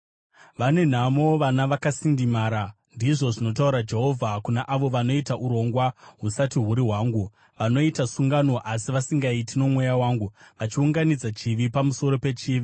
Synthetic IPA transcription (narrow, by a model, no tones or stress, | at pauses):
ʋane̞n̤amo̞ʋanaʋakasindimaːɾa | ndiʐo̞ʐino̞tauɾad͡ʒe̞ɦo̞vʱakunaʔaʋo̞ʋano̞itaʔuɾo̞ŋɡwaɦusatiɦuɾiɦwaːŋɡu | ʋano̞itasuŋɡano̞ʔasiʋasiŋɡaitino̞mwejawaːŋɡuʋat͡ʃiuŋɡanid͡zat͡ʃiʋipamuso̞ɾo̞pe̞t͡ʃiːʋi